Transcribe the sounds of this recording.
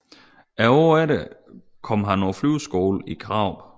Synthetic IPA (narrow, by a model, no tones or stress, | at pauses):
æɒːæɾe | kʰɒ̽m̰ɦænːɔflyʊsɡ̥o̝ːl̩ikʰʁɑ̈ʊ̰̥